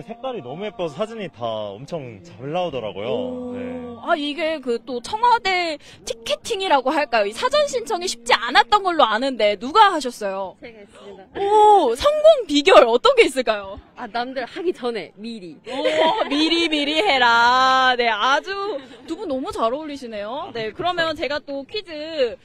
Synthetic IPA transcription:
sʰe̞k̚t͈aɾinʌmuep͈̚ʌsʰad͡ʑiɲita̰ʌ̰mt͡ɕʰʌŋt͡ɕaɭːaodʌɾa̰ɡo̰jo̰neaiɡe̞kɯt͈ot͡ɕʰʌŋwade̞ | tʰi̥kʰːe̞tʰiŋiɾaɡoɦaɭk͈ajoisʰad͡ʑʌnɕʰint͡ɕʰʌŋiɕʰi̥p̚t͡ɕ͈ianat̚t͈ʌnɡʌɭːoanɯnde̞nuɡaɦaɕʰʌs͈ʌjo | ʌsʰʌŋɡoŋpiɡjʌɭʌt͈ʌnɡe̞is͈ɯɭk͈ajoanamdɯɭhaɡit͡ɕʌne̞̰miɾiʌmiɾimiɾiɦe̞ɾane̞ad͡ʑutubunʌmut͡ɕaɾaoʎːiɕʰine̞jone̞kɯɾʌmjʌnt͡ɕe̞ɡat͈okʰɥidɯ

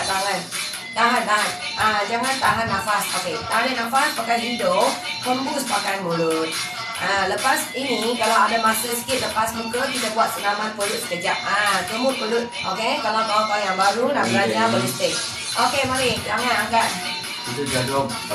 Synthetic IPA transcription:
t̪alan | t̪aɦandaat̪̚ | ʔad͡ʒaŋãnt̪aɦanːafasoket̪aaninafaspakajɦidopəmbuspakajmulut̪̚ | ʔaləpasinikalawadamasəsə̥kit̪̚ləpasmukəkit̪əbuat̪̚səlamanpəlut̪̚sə̥kəd͡ʒaʔ̚at̪əmʊʔ̚pəlʊt̪̚okekalawkawakaajaŋbaɾunasaɲabəməst̪ɪk̚ | ʔokemaɾid͡ʒaŋanaɡaʔ̚ | kit̪ud͡ʒadɔm

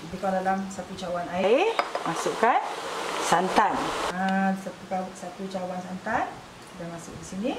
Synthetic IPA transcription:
dikadalamsat̪ut͡ʃawanaɪmasʊʔkansant̪anasat̪ukasat̪ut͡ʃawansant̪an | kit̪amasʊ̰ʔdisini

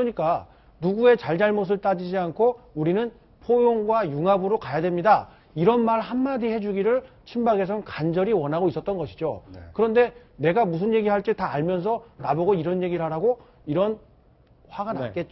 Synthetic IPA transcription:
kɯɾʌɲik͈a | nuɡue̞t͡ɕaɭd͡ʑaɭmos̬ʰɯɭt͈ad͡ʑid͡ʑiankʰouɾinɯn | pʰojoŋɡwajuŋabɯɾokajadwemɲida | iɾʌnmaɭhamːadiɦe̞d͡ʑuɡiɾɯɭ | t͡ɕʰimbaɡe̞s̬ʰʌnkand͡ʑʌɾiwʌnɦaɡois͈ʌt͈̚ʌnɡʌɕʰi̥d͡ʑokɯɾʌnde̞ne̞ɡamus̬ʰɯnje̞ɡiɦaɭt͈e̞taːɭmjʌns̬ʰʌnaboɡoiɾʌnje̞ɡiɾɭɦaɾaɡo | iɾʌn | ɸwaɡanaak͈e̞t̚t͡ɕ͈o

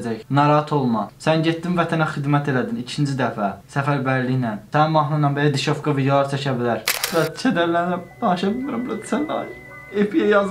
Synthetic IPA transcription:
d͡ʒæçnɑɾɑɦɑt̪ʰo̞lˠmɑsænɟet̪ːimvæt̪ʰænæχid̪mæt̪ʰe̞læd̪inicʰind͡ʒid̪æfæsæfæɾbæɾliçnænsænmɑɦnunɑnbelæd̪iʃofɡɑvijɑɑɾt͡ʃʰæcʰæbilæɾlæt͡ʃʰæd̪æɾlæɾnæbɑʃɑbimiɾɑblæd̪sænɑ | epʰijɛjɑz

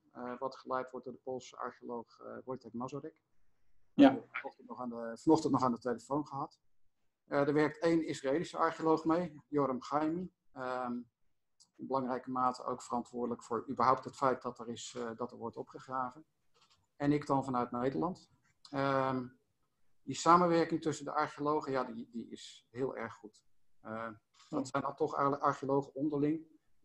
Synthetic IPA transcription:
ʋɑtχəlɛjtʋɔɹtdʊːdəpolˠsəɑ̰ɹχiolowχbɔjtɛkmɑzorɪk | ɔχtɔχanəfɑnɔχtəntnɔχaːndətejləfownχəɦɑt | dəɹʋɛɹk̚tejnɪsraejlisəɑ̰ɹχiolowχmejjɔɾəmχɑjmi | əm | ɪnbəlɑŋrɛjkəmaːtə̰ʔo̰wkfərɑntʋʊːɹdələkfʊːɹybəɹɦɔwp̚tɦətfɛjt̚dɑtərɪsdɑtəɹʋɔɹtɔpχəχraːvən | ɛnɪkdɑnvɑnœɥt̚nejdəɹlɑnt | ə | disaːmənʋɛɹkɪŋtɵsəndə̰ʔɑɹχiolowχəjaːdidiɪ̰sɦɪːlˠʔɛ̰ɹχːut | dɑtsɛjnɑlˠtɔχɛ̰jələkɑɹχiolowχəɔndəɹlɪŋ

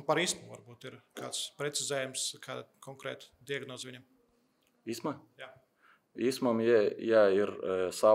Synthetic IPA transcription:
pɐɾiːsmuvaɾbuːt̪iɾkʰa̰ːt̪spɾʲet̪sizʲɛːjɛmskʰaːd̪kʰoŋkɾɛ̰ːt̪d̪iɐɡnoːzʋiɲʲem | ismaja | iːsmɐmjɛjaiɾsa

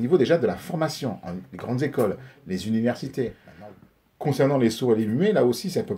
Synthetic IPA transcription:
nivod̪eʒad̪əlafɔʁmasjɔ̃ɑ̰̃leɡʁɑ̃d̪zekɔlːezynivɛʁsit̪e | kɔ̃sɛʁnɑ̃lesuelemyelaosisɛlpø

